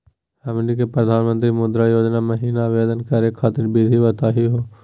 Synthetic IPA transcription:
ɐmlik̬epɾɐd̪ʱaːnmə̃nt̪̬ɾimʊd̪ɾajoːd͡ʒnamɐɦiːnaʋeːd̪ənkəɾekʰaːt̪ɪɾbid̪ʱibət̪aːɦiɦoː

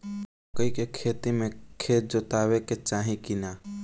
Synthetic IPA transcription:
kəikekʰeːt̪imẽkʰeːd͡ʒot̪aːʋeket͡ʃaːɦĩkinaː

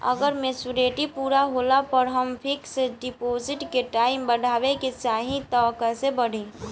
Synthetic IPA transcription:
ə̰ɡəɾmẽsʊɾeːʈipuːɾaɦolapəɾɦəmpʰɪkseɖɪpoːzɪʈkeʈaːɪmbəɽʱaːʋeket͡ʃaːɦĩt̪ɔkəsebəɽ̤ẽː

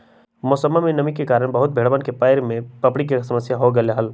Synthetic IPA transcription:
mʊsəmːamẽnɐmɪkːekaːɾəɽ̃bɐɦʊt̪̚bʱeːɽʋənkepaːɪɾmẽpɐpɽik̬esɐməsjaɦoɡɐleɦəl

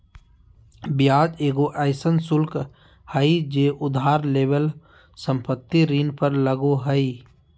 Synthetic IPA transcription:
bjaːd͡ʒeːɡoʔəɪsənsʊlk | həid͡ʒeːʔʊd̪ʱaːɾleːbəl | sə̃mpət̪ːiɾiːnpəɾləɡoɦəi

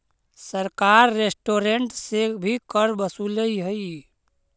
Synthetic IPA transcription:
səɾkaːɾːeːsʈoːɾeɳʈsebʱikəɾbəsuləiɦəi

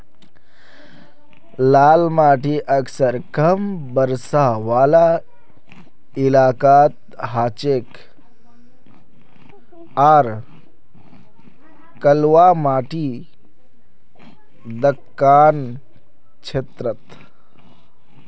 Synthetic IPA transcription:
laːlmaːʈiʔəksəɾkəmbəɾsaʋaːla | ilaːkaːt̪̚ | ɦaːt͡ʃek | aːɾ | kəlwamaːʈi | d̪əkːaːn | t͡ʃʰeːt̪ɾət̪

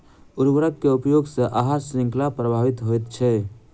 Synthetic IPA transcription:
uɾwəɾəkkeupjoɡseʔaɦasɾĩŋklapɾəbʱaʋit̪ɦojt̪t͡ʃʰɛ

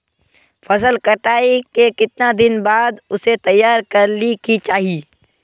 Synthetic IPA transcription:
fʰɐsəlkɐʈaːikekɪt̪nad̪ɪnbaːd̪ʊset̪ɐjːaːɾkɐɾlikit͡ʃaːɦiː

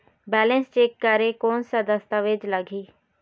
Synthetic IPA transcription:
bɛːlə̃nst͡ʃeːkːəɾekoːnsad̪əst̪aʋed͡ʒləɡʱiː

